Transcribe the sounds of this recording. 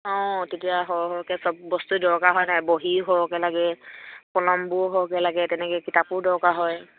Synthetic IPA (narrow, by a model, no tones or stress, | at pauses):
ɔ̃tetijaɦɔɦɔkɛsɔbbɔstudɔɹkaɦɔjnajboɦiɦɔkɛlaɡɛpɔlɔmbʊɦɔkɛlaɡɛtɛnɛkɛkitapʊɹdɔɹkaɦɔj